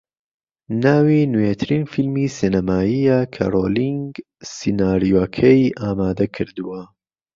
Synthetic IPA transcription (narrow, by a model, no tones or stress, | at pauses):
naːwinuwet̪ʰɨɾiːnfilmisinɐmaːijakʰa̰ɾoːliŋɡ | sinaːɾijoɐkʰɐjʔaːmaːd̪ɐkʰɨɾd̪uwɐ